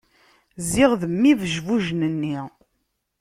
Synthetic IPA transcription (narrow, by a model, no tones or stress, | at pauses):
ziʁðəmːivəʒvuʒnənːi